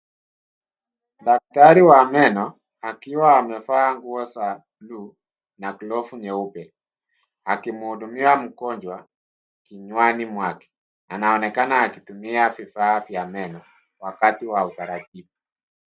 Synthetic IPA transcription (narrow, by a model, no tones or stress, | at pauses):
dak̚taɾiwamɛnɔ | akiwaːmɛfaːŋɡuɔsa | lu | nakulɔfuɲɛupɛ | akimuhudumiam̩kɔɲd͡ʒwa | kiɲwanimwakɛ̥ | anaɔnɛkanaːkitumiafifaːfjamɛnɔ | wakatiwautaɾatifu